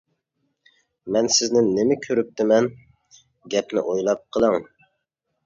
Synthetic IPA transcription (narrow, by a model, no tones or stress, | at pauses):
mɛnsɪznɪnɪmɪkʲʰøɾyp̚t̪ɪmɛn | ɡʲɛpnɪ̰ʔojlˠɑp̚qʰəlˠəŋ